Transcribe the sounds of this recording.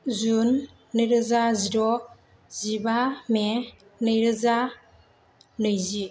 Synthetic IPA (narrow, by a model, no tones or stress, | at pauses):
zunː | ɯɾɯzazidɔ | zibame | nɯjɾɯza | nɯjzi